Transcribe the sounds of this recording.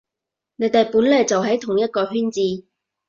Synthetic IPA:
ne˨˧jt̪e˨˩jpuː˨˥nle˨˧jt͡sɐ˨wɦɐ˨˥jt̪ʰʊ˨˩ŋjɐ˥t̚kɔː˧ɦyː˥nt͡siː˧

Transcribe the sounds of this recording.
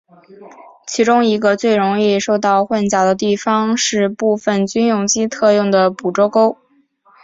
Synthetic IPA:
t͡ɕʰi˧˥ʈ͡ʂʊ˥ŋi˧˥ɡə˧t͡swe˥˩ɪɻʊ˧˥ŋi˥˧ʂo˥˧ʊt̪ɑ˥˧ʊxwa˥˩nt͡ɕjɑ˨˩d̪ə˦t̪i˥˩fɑ˥ŋʂɻ̩˥˧pu˥˧fə˧˩nt͡ɕy˥njʊ˥˧ŋt͡ɕi˥t̪ʰɤ˥˧jʊ˥˩ŋd̪ə˩pu˨˩ʈ͡ʂo˥ʊko˥ʊ

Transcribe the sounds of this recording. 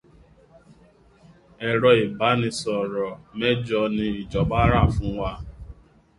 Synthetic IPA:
ɛ˨ɾɔ˨i˨ba˨˦nĩ˧sɔ˨ɾɔ˨mɛ˦d͡ʒɔ˧nĩ˧i˨d͡ʒɔ˨ɡ͡ba˦ɾa˦˨fũ˨˦wa˦˧

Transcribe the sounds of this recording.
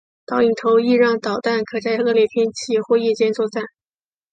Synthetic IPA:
t̪ɑ˨˧˥ʊi˨˩ŋt̪ʰo˧˥ʊi˥˧ɻɑ˥˩ŋt̪ɑ˨˩ʊt̪a˥˩nkʰɤ˨˩t͡sa˥˧ɪɤ˥˧ljɛ˥˩pʰjɛ˥nt͡ɕʰi˥˩xwɔ˥˧i˥˩t͡ɕjɛ˥nt͡swɔ˥˧t͡sa˥˩ɪ

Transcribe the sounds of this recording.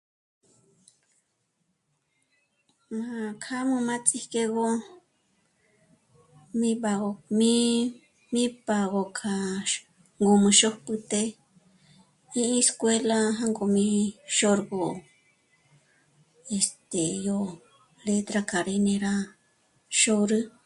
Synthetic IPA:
mã˧˨kʰa˦mũ˧mã˦t͡sʼi˦ke˧ɣo˦ | mĩ˦ba˧ɣo˧mĩ˦ | mĩ˦pa˧ɣo˧kʰa˧˨ | ŋɡo˧mɨ̃˧ʃo˦hpɨ˧t̪e˧ | ĩ˦ĩ˦skwe˦la˦ɦã˦ŋɡo˧˨mĩ˧ʃo˦ɾɡo˧˨ | e˧˨st̪e˨jo˧ | le˧t̪ɾa˧kʰa˨ɾe˧nẽ˧ɾa˦ | ʃo˧ɾɨ˦

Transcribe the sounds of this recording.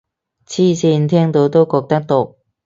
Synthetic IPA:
t͡sʰiː˥˩siː˧nt̪ʰɛː˥ŋt̪o˧wt̪o˥wkɔː˧k̚t̪ɐ˥k̚t̪o˧˥˩

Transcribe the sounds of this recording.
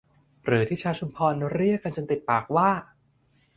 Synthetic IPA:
ɾɯː˩˦t̪ʰiː˥˩t͡ɕʰaː˦˥t͡ɕʰu˧mpʰɔː˧nː˧˥ɾi˥˩əkːa˧nt͡ɕo˧nt̪i˨˩t̪̚paː˨˩k̚waː˥˩

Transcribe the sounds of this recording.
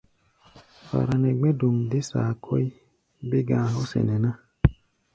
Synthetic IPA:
fa̰˨ɾa˨nɛ˨ɡ͡bẽ˦du˨ŋde˦saː˨kʰo˦ji˦ | be˦ɡãː˨ɦo˦sḛ˨ne˨na˦

